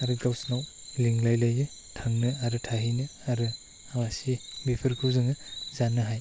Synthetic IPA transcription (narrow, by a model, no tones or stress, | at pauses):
aɾɯɡlawsnaw | liŋlajlajɯ | tʰaŋnɯaɾɯtʰaɦinɯaɾɯ | awasibipʰɯɾkʰuzɯŋɯzanːɯɦaj